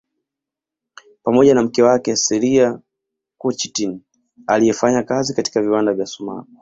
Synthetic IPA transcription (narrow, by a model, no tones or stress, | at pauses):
pamɔʄanam̩kɛwakɛsɛɾia | kut͡ʃitin | alijɛfaɲakazikati̥kaviwandavjasuma̰ku